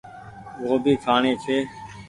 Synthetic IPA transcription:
ʋoːbʱiːkʰaːɳeːt͡ʃʰeː

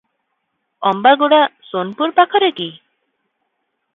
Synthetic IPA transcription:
ɔmbaɡoɽasonpuɾpakʰɔɾeki

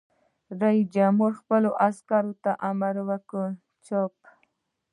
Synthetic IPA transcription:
ɾaid͡ʒamuɾxpəloʔaskɑɾot̪aʔamaɾwəkə | t͡ʃop

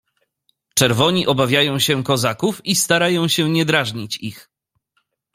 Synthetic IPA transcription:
t͡ʂɛɾvɔɲiʔɔbavʲjajɔ̃w̃ɕɛkɔzakufist̪aɾajɔ̃w̃ɕɛɲɛd̪ɾaʐɲit͡ɕḭx

